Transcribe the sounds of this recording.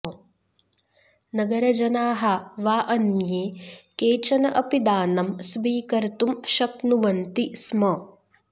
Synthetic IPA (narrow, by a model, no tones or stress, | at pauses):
nɐɡɐɾɐd͡ʒɐnaːɦɐʋaːʔɐnjeːkeːt͡ʃɐnɐʔɐpid̪aːnɐmsbiːkɐɾt̪umʃɐknuʋɐnt̪ismɐ